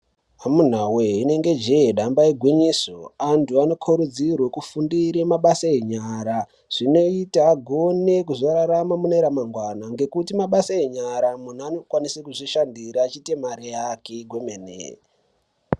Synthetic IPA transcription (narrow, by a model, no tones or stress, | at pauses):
amun̤awe̞ine̞ŋɡe̞d͡ʒeeɗambaeɡʱwiɲisoantʰuano̞kʰoɾud͡zirwekufundiɾemaɓasaeɲaːɾa | ʐ̥ino̞itaːɡʱo̞ne̞kuʐo̞ɾaɾamamuneɾamaŋɡwanaŋɡe̞kutimaɓasaeɲaɾamun̤uanokwanisekuʐiʃandiɾaːt͡ʃite̞maɾeakeɡʱwo̞menḛ